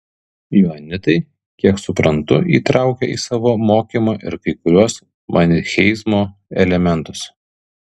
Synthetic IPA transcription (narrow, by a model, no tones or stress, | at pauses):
juːnʲɪt̪ɐɪ | kʲiɛksʊpɾɐnt̪ʊiːt̪ɾʔɑˑʊkʲɛiːsɑːʋoːmoːkʲiːmɑːʔɪ̰ɾkɐɪkʊɾʲuɔs | mʔɑːnʲɪxʲɛɪsmoːɛlʲɛmʲɛnt̪ʊs